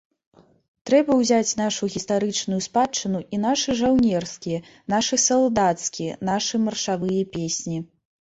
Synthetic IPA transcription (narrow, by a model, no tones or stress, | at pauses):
t̪ɾɛbɐwzʲat͡sʲnaʂuɣʲist̪aɾɨt͡ʂnujuspat͡ʂːɨnuʔin̪aʂɨʐawnʲɛrskʲijɛ | naʂɨsɐlˠd̪at̪skʲijɐ̰naʂɨmɐrʂavɨjɐpʲesʲnʲi